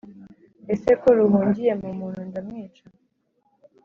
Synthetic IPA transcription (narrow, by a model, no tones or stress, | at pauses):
esekoɾuɦuːɲɟije̞mumuːn̤undamŋiːt͡ʃa